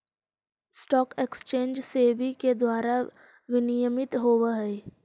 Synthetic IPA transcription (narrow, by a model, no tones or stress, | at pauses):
sʈɔːkekst͡ʃẽːnd͡ʒsebʱiked̪waːɾa | ʋɪnijəmɪt̪ɦoːwaɦɛː